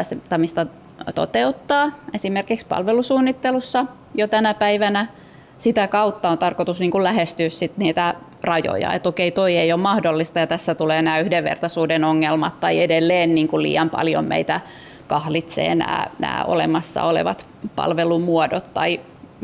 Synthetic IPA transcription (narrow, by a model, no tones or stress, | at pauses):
æst̪ɑmist̪ɑ | t̪o̰t̪eut̪ːɑːesimerkikspɑ̰lʋelusuːnːit̪ːelusːɑ | jot̪ænæpæiʋænæ | sit̪ækɑut̪ːɑont̪ɑrkot̪usniːŋkulæhest̪yːssit̪niːt̪æ | rɑjo̰jɑ̰ḛt̪okeit̪oieijommɑhdolːist̪ɑjɑt̪æsːæt̪uleːnæːyhdeʋʋḛrt̪ɑsuːdenoŋːelmɑt̪t̪ɑiedelːeːnniːŋkulḭːjɑmpɑ̰ljo̰mmḛit̪æ | kɑhlit̪sḛːnæ̰ːnæ̰ːo̰lemɑsːɑ̰olḛʋɑ̰t̪ | pɑ̰lʋelumuodot̪t̪ɑ̰i